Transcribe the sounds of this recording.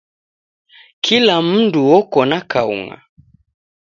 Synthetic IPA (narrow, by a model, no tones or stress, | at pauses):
kʰilam̩nduwɔkɔnakaṵŋa̰